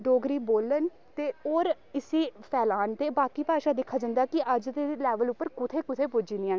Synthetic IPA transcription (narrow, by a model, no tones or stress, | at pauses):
ɖoːɡɾiːboːlən | t̪eːoːɾ | ɪsiːpʰɛːlaːnt̪eːbaːkiːpaːʃaːd̪ɪkʰːaːd͡ʒãnd̪aːkɪʔəd͡ʒt̪elɛːʋəlʊpːəɾkʊt̪ʰeːkʊt̪ʰeːpʊd͡ʒiːndiaː